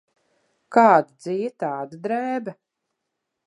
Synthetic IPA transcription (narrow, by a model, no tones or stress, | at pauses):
kaːd̪ad̪zijɛt̪aːd̪ad̪ɾɛːbɐ